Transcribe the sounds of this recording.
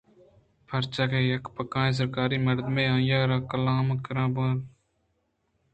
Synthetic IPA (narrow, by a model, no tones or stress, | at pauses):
pʰəɾt͡ʃaːkeːjɐkpəkãːẽːs̬əɾkaːɾiːmɐɾd̪mẽːãːjaːɾaːkəlaːmkəɾãːbəːl